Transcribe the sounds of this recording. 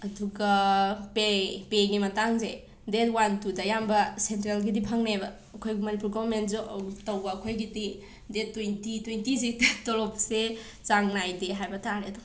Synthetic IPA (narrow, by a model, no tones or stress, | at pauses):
ɐduɡapepeɡimɐtaŋze | detwantudɐjambɐsentɾelɡidipʰaŋnabɐːkʰojɡimɐnipuɾɡavɐɾmentzuʔtowbɐːkʰojɡidi | detːwentitwentizikttolɔpse | t͡ʃaŋnajdeɦajbɐtʰaɾedo